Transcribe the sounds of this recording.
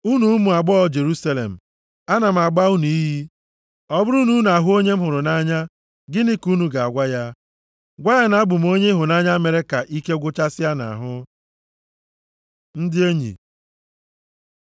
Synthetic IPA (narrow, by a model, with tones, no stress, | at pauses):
u˦nu˨˦mu˨a˨ɡ͡bɔ˦ɔ˦d͡ʒe˨ɾu˦sa˦lḛ˨m̩˨ | a˦na˨m̩˨a˨ɡ͡ba˦u˦nu˨i˦ɦi˦ | ɔ˦bʊ˦ɾu˦nu˦n˨a˨ɦʊ˦o˦ɲe˦m̩˦ɦʊ˨ɾʊ˨na˦ɲa˦ | ɡɪ˦ni˦ku˦nu˨ɡa˨a˨ɡʷa˦ja˦ | ɡʷa˦ja˦na˦a˦bʊ˨m̩˨o˦ɲe˦ɦʊ˨na˦ɲa˦me˨ɾe˦ka˨ʔi˦ke˦ɡʷʊ˦t͡ʃa˦sɪ˦a˦na̰˨ɦʊ˦ | n̩˦dɪ˦e˦ɲḭ˨